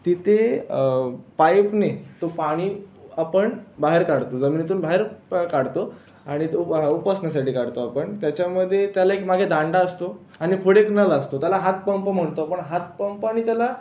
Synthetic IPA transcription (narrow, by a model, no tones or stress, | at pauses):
t̪it̪ʰe | pajpnet̪opaɽ̃iapəɳbaɦeɾkaɽt̪od͡zəmiːnit̪uːnbʱaɦeɾkaɽt̪o | aɽ̃it̪upəsnasaʈʰiːkaɽt̪oapəɳt̪jat͡ɕaməd̪ʱːjet̪jalaekmaɡʱed̪ʱãɳɖaəst̪o | aɽ̃ifʰəɽeknəlast̪ot̪jalaɦat̪̚pəmpəm̤əɳt̪oapəɳɦat̪̚pəmpaɽ̃it̪jala